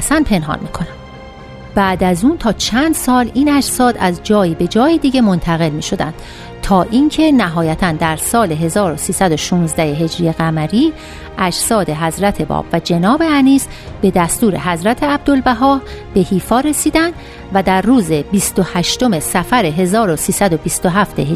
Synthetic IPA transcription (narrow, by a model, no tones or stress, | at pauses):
sænpʰe̞nɦɒ̰ːnmḭːkʰo̞næm | b̥æːd̪æzuːnt̪ʰɒːt͡ʃʰænd̪sɒːliːnæd͡ʒsɒːd̪æzd͡ʒɒːjiːbe̞d͡ʒɒːjed̪iːɟe̞mo̞nt̪ʰæɣe̞lmiːʃo̞d̪æ̰nd̪̥ | t̪ʰɒːʔiːŋcʰe̞næɦɒːjæt̪ʰænd̪æɾsɒːle̞ɦe̞zɒːɾo̞siːsæd̪o̞ʃuːnzd̪æheɦe̞d͡ʒɾije̞ɣæmæɾiː | ʔæd͡ʒsɒːd̪e̞ɦæzɾæt̪ʰe̞bɒ̰ːb̥væd͡ʒe̞nɒːbe̞æniːs | b̥e̞d̪æst̪uːɾe̞̰ɦæzɾæt̪ʰe̞æb̚d̪o̞lbæɦɒːhb̥e̞hiːfɒːɾe̞siːd̪ænd̪ | væd̪æɾruːze̞bist̪o̞hæʃt̪o̞me̞sæfæɾe̞ɦe̞zɒːɾo̞siːsæd̪o̞bist̪o̞ɦæft̪e̞he